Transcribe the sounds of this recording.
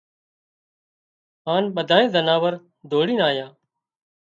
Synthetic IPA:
ɦaːnɓəd̪ʱaːẽːzənaːʋəɾ | d̪ʱoːɽiːnaːjãː

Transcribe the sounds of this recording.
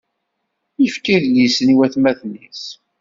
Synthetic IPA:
jəfkiðlisəniwæθmæθnis

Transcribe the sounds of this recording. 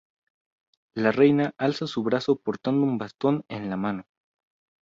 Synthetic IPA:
lare̞jnaʔalsasuβɾaso̞po̞ɾt̪and̪oumbast̪o̞nenlamano̞

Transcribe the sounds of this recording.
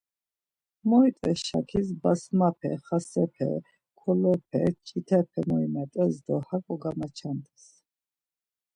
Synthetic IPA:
mɔit̪ʼɛsʃa̰kʰis̬basmapʰɛ̰χasɛpʰɛ̰ | kʰɔlɔpʰɛ̰t͡ʃʼit̪ʰɛpʰɛmɔimat̪ʼɛsd̪ɔhakʼɔɡamat͡ʃʰand̪ɛs

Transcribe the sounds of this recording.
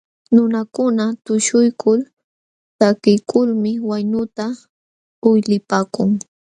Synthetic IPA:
nʊnakʊnat̪ʊʃʊjkʰʊl | sakɪjkʰʊlmɪwajnʊt̪a | ʊjlɪpaːkʊŋ

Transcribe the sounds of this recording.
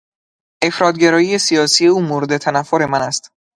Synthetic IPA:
ʔe̞fɾɒːt̪̚ɟeɾɒːjije̞sijɒːsije̞uːmoɾed̪e̞t̪ʰænæfːoɾe̞mænæst̪

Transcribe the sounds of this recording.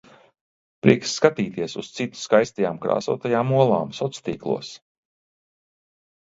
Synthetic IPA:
pɾḭɛksːkat̪iːt̪iɛsṵst̪sit̪u̥skajst̪ajaːmkɾa̰ːsṵɔt̪ajaːmuɔlˠaːmsɔt̪st̪iːklˠṵɔs

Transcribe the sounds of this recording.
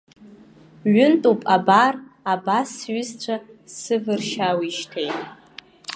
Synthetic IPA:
ɥʊntʼupʼabarabasɥʏzt͡ɕʷʰasɨvɨrʃawiʃtʰejtʼ

